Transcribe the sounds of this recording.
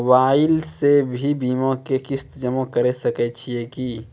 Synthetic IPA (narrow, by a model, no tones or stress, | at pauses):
ʋaːɪlsebʱibiːmõkekɪst̪d͡ʒəmõkɐɾesɐkɛt͡ʃʰieki